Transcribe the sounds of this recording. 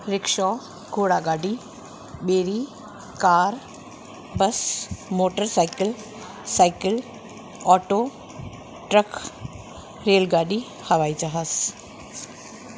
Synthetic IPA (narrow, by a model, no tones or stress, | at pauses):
ɾɪkʃɔː | ɡʱoːɽaɡaːɖi | ɓeːɾi | kaːɾ | bəsmoːʈəɾsaːɪkəl | saːɪkəl | ɔːʈoː | ʈɾək | ɾeːlɡaːɖi | hɐʋaːid͡ʒaːɦəs